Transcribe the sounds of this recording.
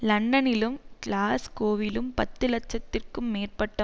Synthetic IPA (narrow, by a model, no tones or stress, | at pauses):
lɐɳɖɐnɪlɯmklaːskoːʋɪlɯmpɐt̪ːɯlɐʈ̚t͡ʃːɐt̪ːɪrkɯmːeːrpɐʈːɐ